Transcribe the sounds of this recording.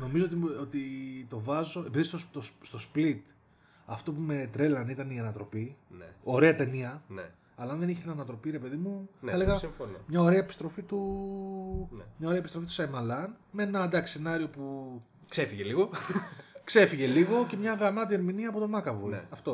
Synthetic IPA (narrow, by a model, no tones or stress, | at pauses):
no̞mizoot̪iot̪it̪o̞vɐzo̞e̞piðist̪ost̪ost̪o̞split̪ | ɐft̪o̞pume̞t̪ɾe̞lɐnit̪ɐniɐnɐt̪ɾo̞pino̞ɾe̞ɐt̪e̞niɐn | ɐlɐnðe̞niçet̪inɐnɐt̪ɾo̞piɾe̞pe̞ðimuɐle̞ɣɐsifonomɲɐo̞ɾe̞ɐepi̥st̪ɾo̞fit̪u | mɲɐo̞ɾeɐepist̪o̞fit̪u̥sɐjmɐlɐnmee̞nɐd̪ɐksenɐɾio̞pu | ksefiʝeliɣo | kse̞fiʝe̞liɣo̞ce̞mɲɐɣɐmɐt̪ieɾminiɐːpo̞t̪o̞mɐkɐvojɐft̪o